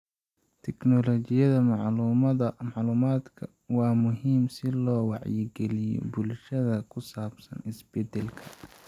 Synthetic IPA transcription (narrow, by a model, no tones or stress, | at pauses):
t̪ʰɛknɔlɔt͡ʃɪjɐðɐmɑʕluːmɐðɐmɑʕluːmaːd̪kʰɐ | wɑːmʊɦiːmsɪlɔːwɑʕjɪɡɛlɪjɔ̰bʊlʃɐðɐkʰʊsaːbsɐnɪsbɛd̪ɛlkʰɐ